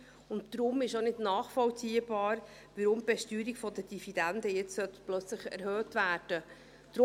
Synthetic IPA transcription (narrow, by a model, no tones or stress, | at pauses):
ʊnttɾʊmɪʃonɪdnɑːχfɔlt͡siəbɑːɾ | ʋəɾʊmb̥ɛʃtyːɾikfɔdəd̥ividændəjɛt͡ssœt̪plœt͡sləχɛ̰ɾhøːtvæːɾd̥ə | d̥ɾ